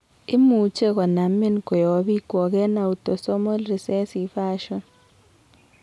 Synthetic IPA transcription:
ɪ˦mu˨˦t͡ʃe˦ɣɔ˨na˨me˦nko˨jɔ˨˦βi˦kwɔ˨ɣɛ˦na˨u˨to˨so˦mo˦lɾi˨sɛ˦si˨˦fa˦ʃɔ˦n

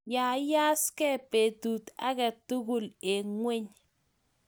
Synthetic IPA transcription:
ja˨ja˦skɛ˦pe˨tu˨t̪a̰˦kɛ˨tu˦ɡu˦le˨ŋwe˦ɲ

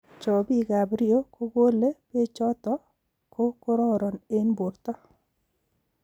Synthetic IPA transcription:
t͡ʃɔ˨bi˦ɡa˨bɾɪ˦o˦ko˦ɡo˦le˦pe˦t͡ʃɔ˦t̪ɔ˦ | ko˦ko˦ɾɔ˦ɾɔ˨ne˦nbu˨ɾt̪ɔ˦

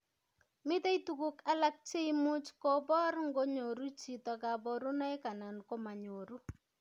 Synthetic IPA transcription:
mɪ˦ta˦itu˨ku˦ka˦la˦k̚t͡ʃe˦mʊ˦t͡ʃkɔ˦bɔ˦rŋɡo˦ɲo˨ɾu˦t͡ʃi˨tɔ˨ka˨bɔ˨ɾu˦na˦ɪ˦ka˨na˨nkɔ˦ma˨ɲo˨ɾu˦

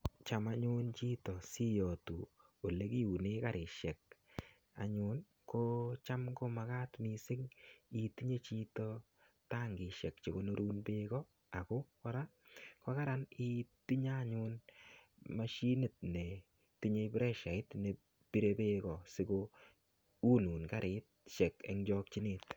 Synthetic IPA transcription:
t͡ʃa˨ma˦ɲu˦nt͡ʃi˦tɔ˨si˦jɔ˨tu˨ | o˨le˦ki˦u˨ne˦ka˨ɾʔɪ˨ʃɛ˨k̚ | a̰˨ɲu˦n | ko˦t͡ʃa˦mko˦ma˨ka˦tmi˨sɪ˦ŋi˨ti˦ɲe˦t͡ʃi˦tɔ˦ | ta˦ŋɡɪ˨ʃɛ˨k̚t͡ʃi˨ko˦no˦ɾʔuː˦nbe˦kɔ˦ | a˨ko˦kɔ˦ɾa˦ | kɔ˦ka˦ɾani˦ti˦ɲa˦ɲʊn | ma˦ʃi˦nɪ˨t̚ne˨ | ti˦ɲe˧pɾɛ˦ʃa˨ɪ˦tne˨ | pi˦ɾe˦pe˦kɔ˨sɪ˦ko | u˦nu˨nka˦ɾʔɪ˨t̚ʃɛ˨kḛ˨ŋd͡ʒɔ˧k̚t͡ʃi˦nɪ˦t

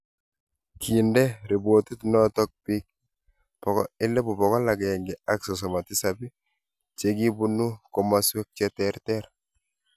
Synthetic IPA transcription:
kʰi˨ndɛ˦ɾi˨bwo˨t̪i˦tnɔ˦tɔ˦k̚pi˦k̚ | pɔ˨kɔ̰˦ɪ˦lɛ˦bu˨pɔ˨kɔ˦la˨ɡɛ˨ŋɡɪ˨a˦ksɔ˨s̬ɔ˨ma˨tɪ˦sa˨bi˦ | t͡ʃe˨ɡi˦bu˦nu˦ko˨ma˦se˦k̚t͡ʃɛ˦tɛ˦ɾtɛ˦ɾ

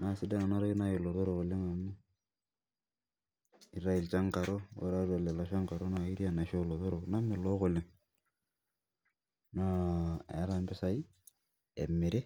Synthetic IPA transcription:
na˨sɪ˦da˦na˨na˦ɾa˦ɡi˦na˦je˨lo˨to˦ɾo˨ɣo˨lɪ˦ŋa˨ni˦ | i˨ɾa˨i˨lt͡ʃa˦ŋka˨ɾo˦o̰˨ɾa˦ɾa˨le˨la˨ʃa˦ŋka˨ɾo˦na˨i˦ɾi˦a˨na˨ʃo˦lo˨to˦ɾo˨na˦mɪ˨lo˦ko˨lɪ˨ŋ | na˦ɛ̰˨˦ɾa˦mbɪ˦sa˦i˦ | ḛ˨mɪ˨ɾe˦

